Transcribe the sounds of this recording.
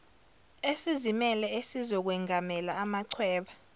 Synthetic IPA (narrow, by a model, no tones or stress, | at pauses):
esizimɛlɛesizɔk̬wɛŋʱamɛlaːmaǀʰwɛːɓa